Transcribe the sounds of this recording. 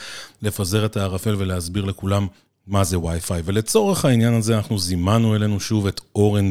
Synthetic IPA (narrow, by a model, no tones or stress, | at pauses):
le̞faze̞ʁe̞taːʁafe̞lve̞leazbiʁle̞kulamː | aze̞wajfajve̞le̞t͡so̞ʁe̞χhainjanazeanaχnuzimanue̞le̞nuʃuve̞to̞ʁen